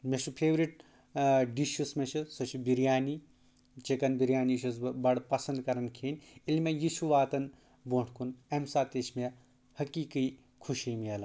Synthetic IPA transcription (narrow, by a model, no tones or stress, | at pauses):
meʃʰupʰeːʋɾiʈ̚ | ɖiʃusmet͡ʃʰisot͡ʃʰibiɾjaːni | t͡ʃekɐnbiɾjaːniʃus̬bɐɽpɐsɐnd̪kɐɾɐnkʰeːnʲilmejiʃuʋaːt̪ɐn | boʈʰkʰunɐmsaːt̪et͡ʃʰme | hɐkiːki | kʰuʃijmielɐ